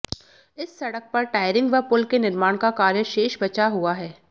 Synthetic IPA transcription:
ɪsːɐɽək̚pɐɾʈaːɪɾɪ̃ŋɡʋɐpʊlkenɪɾmaːɽ̃kakaːɾjəʃeːʃbɐt͡ʃaɦuaɦɛː

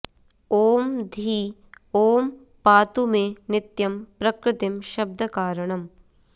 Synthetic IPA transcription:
oːmd̪ʱiː | oːm | paːt̪umenɪt̪jɐmpɾɐkɾɪt̪imʃɐb̚d̪ʱɐkaːɾɐɳ̃ɐm

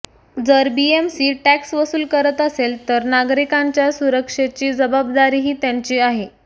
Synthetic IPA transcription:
d͡zəɾbiemsiːʈæksʋəsuːlkəɾət̪əselt̪əɾnaɡɾikãɲt͡ɕjasuɾəkʂet͡ɕiːd͡zəbab̚d̪aɾiːɦiːt̪jaɲt͡ɕiːaɦe

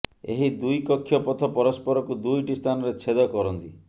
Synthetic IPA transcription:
ḛɦid̪ujkɔkʰːjɔpɔt̪ʰɔpɔɾɔspɔɾɔkud̪ujʈist̪ʰanɔɾet͡ʃʰed̪ɔkɔɾɔnt̪i

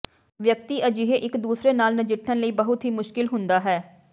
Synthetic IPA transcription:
ʋjək̚t̪iːʔəd͡ʒɪɦeːʔɪkd̪uːsɾeːnaːlnəd͡ʒɪʈʰːənləiːbəɦʊt̪ɦiːmʊʃkɪlɦʊnd̪aːɦɛː

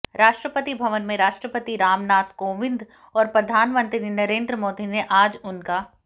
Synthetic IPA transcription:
ɾaːʃʈɾəpət̪ibʱɐʋənmẽɾaːʃʈɾəpət̪iɾaːmnaːt̪koːʋɪ̃nd̪ | ɔːɾpɾɐd̪ʱaːnmə̃nt̪ɾinɐɾeːnd̪ɾəmoːd̪ineʔaːd͡ʒʊnka

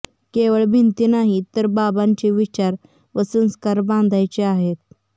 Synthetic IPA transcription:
keʋəɭbʱint̪inaɦit̪əɾbabãɲt͡ɕeʋit͡ɕaɾ | ʋəsə̃nskaɾbãnd̪ʱajt͡ɕeaɦet̪̚

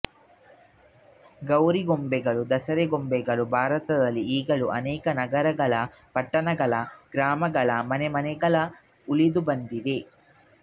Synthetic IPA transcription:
ɡɐwɾiɡombɛɡɐɭud̪ɐsɐɾɛɡombɛɡɐɭubʱaːɾɐt̪ɐd̪ɐlːiiːɡɐɭuʔɐ̰nɛːkɐnɐɡɐɾɐɡɐɭɐ | pɐʈːɐɳɐɡɐɭɐɡ̥ɾaːmɐɡɐɭɐmɐnɛmɐnɛɡɐɭɐ | ulid̪ubɐnd̪id̪e

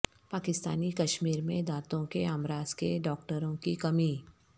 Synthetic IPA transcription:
paːkɪst̪aːnikɐʃmiːɾmẽd̪aːt̪õkeaːmɾaːzkeɖɔːkʈəɾõkikɐmi

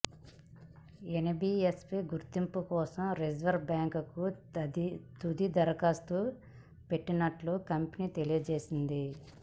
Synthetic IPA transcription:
enibiespiɡuɾt̪impukɔːsɐmɾed͡ʒʋɐɾbaːŋkku | t̪ud̪id̪ɐɾɐkaːst̪uː | pe̞ʈːinɐʈlukɐmpniːt̪e̞lijɐd͡ʒe̞ːsind̪i

